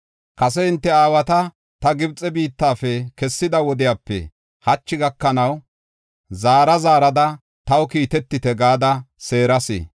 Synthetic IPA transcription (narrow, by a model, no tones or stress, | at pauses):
kɐsɛɪnt̪ːɛaːwɐt̪ɐ | t̪ɐɡɪbt͡sʼːɛbiːt̪ːaːfɛkɛsːɪd̪ɐwɔd̪ɪjaːpːɛ̰ | hɐt͡ʃːɪɡɐkːɐnɐw | zaːɾɐzaːɾɐd̪ɐ | t̪ɐwkiːt̪ɛt̪ːɪt̪ɛɡaːd̪ɐse̞ːɾɐsḛ